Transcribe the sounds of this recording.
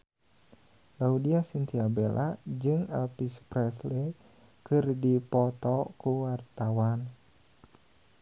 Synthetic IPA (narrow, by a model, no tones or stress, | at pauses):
laudiasint̪iabelʔa̰d͡ʒɨŋɛ̰lpispɾɛsle | kɨrdipɔt̪ɔkuwart̪awan